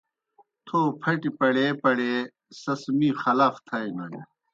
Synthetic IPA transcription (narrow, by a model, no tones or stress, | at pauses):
t̪ʰoːpʰɐʈipɐɽeːpɐɽe | sɐsmixɐlaːft̪ʰɐinɐɽḛ